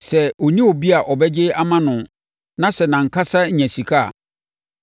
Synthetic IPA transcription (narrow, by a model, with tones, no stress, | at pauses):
sɛ˨ɔ˨nĩ˦ɔ˨bi˦a˨ʔɔ˨bɛ˦d͡ʑɪ˦a˦mã˦nʊ̃˨ | nã˦sɛ˨nã˨ŋ̩˨kʰa˦sa˦˨ɲæ̃˨si˨kʰa˦a̰˨